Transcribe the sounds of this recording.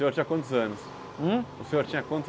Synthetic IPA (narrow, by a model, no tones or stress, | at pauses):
ẽoɾt͡ʃĩɲɐkwɐ̃nt̪ʊzɐ̃nʊs | ũʊsẽoɾt͡ʃĩɲɐkwɐ̃t̪